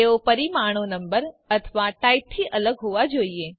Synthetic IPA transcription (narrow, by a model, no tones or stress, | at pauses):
eopəɾimaɳ̃onəmbəɾət̪ʰəʋaʈaip̚t̪ʰiʔələɡɦoʋad͡ʒoie